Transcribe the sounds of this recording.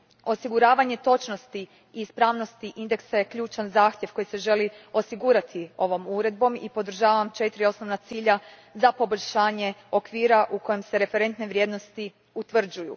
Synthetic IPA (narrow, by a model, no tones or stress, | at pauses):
o̞siɡuɾaːʋaɲe̞t̪o̞t͡ʃno̞st̪i | iːspɾaːʋno̞st̪iʔind̪e̞ksaje̞kʎuːt͡ʃanzaːxt̪jeʋko̞jise̞ʒe̞lio̞siɡuːɾat̪ʰio̞ʋo̞muɾe̞d̪̚bo̞mḭpo̞d̪r̩ʒaːʋamt͡ʃe̞t̪ɾio̞sno̞ʋnat̪siːʎa | zapo̞bo̞ʎʲʃaːɲe̞o̞kʋiːɾaʔuko̞jemse̞ɾe̞fe̞ɾe̞nt̪neʋɾʲje̞ːd̪no̞st̪i | ut̪ʋr̩d͡ʒujṵ